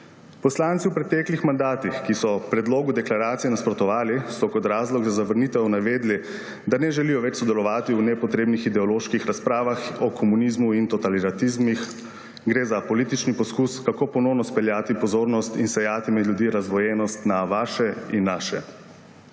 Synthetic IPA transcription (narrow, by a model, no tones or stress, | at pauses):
pɔslaːnt̪siwpɾɛt̪ɛːklixmand̪aːt̪ixkisɔpɾɛd̪loːɡud̪ɛklaɾaːt̪ijɛnaspɾɔt̪ɔʋaːlisɔkɔt̪ɾaːzlɔɡzazaʋəɾniːt̪ɛnaʋeːd̪li | d̪anɛʒɛlijɔʋɛt͡ʃsɔd̪ɛlɔʋaːt̪iunɛpɔt̪ɾeːbnixid̪ɛɔloːʃkixɾaspɾaːʋaxɔkʰɔmuniːzmuint̪ɔt̪alit̪at̪izmix | ɡɾeːzapɔliːt̪it͡ʃnipɔskuːskakoːpɔnɔwnɔspɛljaːt̪ipɔzoːɾnɔst̪insɛjaːt̪imɛd̪lʲjud̪iːɾazʋɔjɛnɔst̪naʋaːʃɛinːaːʃɛ